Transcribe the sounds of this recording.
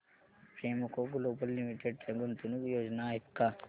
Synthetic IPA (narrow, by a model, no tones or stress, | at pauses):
pɾeːmokokuloːpɐlːimiʈeɖ̚ʈeɡunt̪unukjoːd͡ʒnaːikːaː